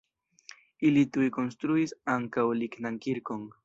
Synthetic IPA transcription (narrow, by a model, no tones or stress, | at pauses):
ɪlɪt̪ujkonst̪ɾuisaŋkawlɪknaŋkɪɾkoŋ